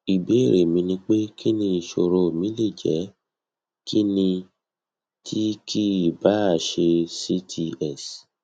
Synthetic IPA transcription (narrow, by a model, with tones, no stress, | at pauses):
i˨be˨˦˨ɾe˨mĩ˧nĩ˧k͡pe˦kʰi˦nĩ˧i˧ʃo˧ɾo˧˨mĩ˦li˦˨d͡ʒɛ˨˦ | kʰi˦nĩ˧ | tʰi˦kʰi˦˨ba˨˦˨ʃe˧si˦tʰi˧ɛ˦˨s